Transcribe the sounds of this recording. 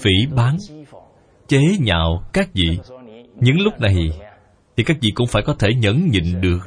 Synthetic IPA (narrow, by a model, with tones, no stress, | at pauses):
fi˧˩ɓaː˨˦n | t͡ɕe˨˦ɲa̰ː˧˨wkaː˦˥k̚vḭ˧˨ɲɨ̰˧˥ŋlʊ˦˥k͡p̚na˨˩j | t̪ʰi˨˩kaː˦˥k̚vḭ˧˨kʊ̰˧˥ŋ͡mfaː˧˩jkɔ˨˦t̪ʰe˧˩ɲə̰˧˥nɲḭ˧˨ŋ̟ɗɨ˨˩ək̚